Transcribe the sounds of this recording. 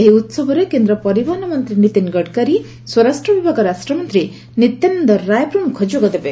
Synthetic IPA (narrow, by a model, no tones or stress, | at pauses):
eɦiut̪sɔbʱɔɾekend̪ɾɔpɔɾibanɔmɔnt̪ɾinit̪inɡɔɽkaɾi | swɔɾasʈɾɔbibʱaɡɔɾasʈɾɔmɔnt̪ɾi | nit̪jennd̪ɔɾːajpɾumkʰɔd͡ʒoɡɔd̪ebe